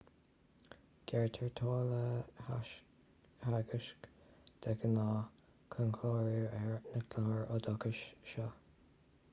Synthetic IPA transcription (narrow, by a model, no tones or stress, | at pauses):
ɡ̥ɛɹt̪ʰəɹt̪ʰoːlə | haɡəʃkd̪̥ɛɡənɑː | kʰənkʰlɔːɹiɹɛɹnəkʰlɔhəɹɔd̪ɔkəʃʃɔ